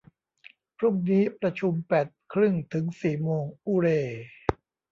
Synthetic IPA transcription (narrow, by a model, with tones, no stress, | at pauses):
pʰɾu˥˩ŋniː˦˥pɾa˧t͡ɕʰu˧mpɛː˨˩t̪̚kʰɾɯ˥˩ŋt̪ʰɯ˩˦ŋsiː˨˩moː˧ŋʔuː˧ɾeː˧